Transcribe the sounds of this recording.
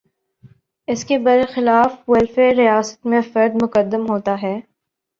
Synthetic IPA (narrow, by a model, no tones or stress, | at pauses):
ɪskebɐɾxɪlaːfwɐlfeɾijaːsə̥t̪mẽfɐɾd̪mʊkəd̪ːəmɦoːt̪aɦɛː